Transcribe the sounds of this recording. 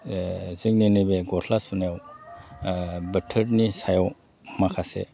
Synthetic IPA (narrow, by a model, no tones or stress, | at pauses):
zɯk̚ninibeɡɔtʰlasunajaw | bɐtʰɐɾnisajaw | makʰasḛ